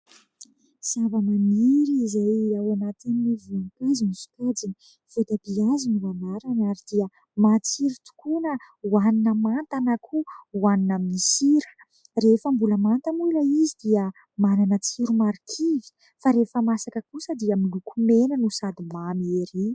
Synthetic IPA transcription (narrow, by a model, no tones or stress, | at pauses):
z̥avanamiɾiizajawanat̪ininivunikazinisu̥kad͡zini̥ | v̥ot̪abiazinivanaɾanaɾid̪̥iə | mat͡siɾut̪u̥kunə | uaninəmant̪anakʰuwaninaminisiɾə̥ | refəmbuləmant̪əmuləizid̪iə | mananət͡siɾumaɾikʰivi̥ | faɾefəmasakəkusəd̪iəmilukumenənusad̪imameɾi